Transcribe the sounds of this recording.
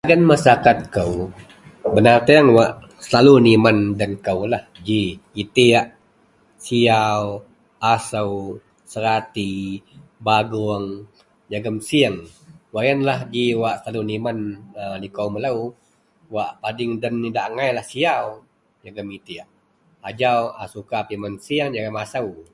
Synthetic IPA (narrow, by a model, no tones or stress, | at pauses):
aɡanmasakat̪̚kəw | bənat̪eəŋwaʔ | səlalunimandənkəwlahd͡ʒiit̪iaʔ | siaw | asəw | səɾat̪i | baɡuəŋ | d͡ʒaɡəmsiəŋwaʔjənlahd͡ʒiwaʔsəlalunimanəlikəwməlaw | waʔpadɪŋdənːidaʔŋajlahsiaw | d͡ʒaɡəmit̪iaʔ | ad͡ʒawasukapimənsiəŋd͡ʒaɡəmasəw